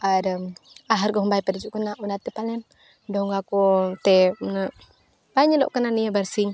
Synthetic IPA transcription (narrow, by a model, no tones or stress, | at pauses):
adəmaɦarɡɔɦmbaipadid͡ʒuʔkunaunat̪ipalɛm | dɔŋɡakut̪ɛnə | baɲəlɔ̰ʔkənanijabarsiŋ